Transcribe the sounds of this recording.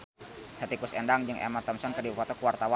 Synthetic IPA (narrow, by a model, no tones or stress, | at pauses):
hɛt̪ikusɛndaŋd͡ʒɨŋʔɛ̰mat̪əmsankərdibufɔt̪ɔkuwart̪awa